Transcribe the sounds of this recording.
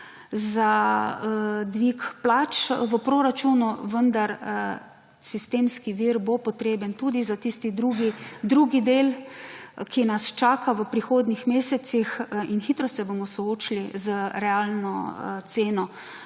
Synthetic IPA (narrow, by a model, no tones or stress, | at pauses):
za | d̪ʋikplat͡ʃʋəpɾoɾat͡ʃunuʋənd̪aɾ | sist̪eːmskiʋiɾbopɔt̪ɾeːbənt̪ud̪izat̪ist̪id̪ɾuːɡid̪ɾuɡid̪eːl | kinast͡ʃaːkaʋəpɾixoːd̪nixmeːsɛt̪sixinxiːt̪ɾɔsɛbomɔsɔoːt͡ʃilizəɾɛaːlnɔt̪seːnɔ